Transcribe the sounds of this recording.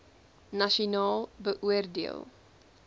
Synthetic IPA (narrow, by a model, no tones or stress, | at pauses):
nɐʃonɑːlˠbəʔuərdḛə̰lˠ